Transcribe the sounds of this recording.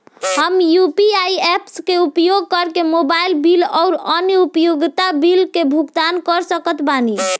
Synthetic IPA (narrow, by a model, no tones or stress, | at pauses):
ɦəmjupiajepskeupjoɡ̚kəɾkemobailbilɔʊɾənupjoɡt̪abilkebʱuɡt̪ankəɾsəkət̪bani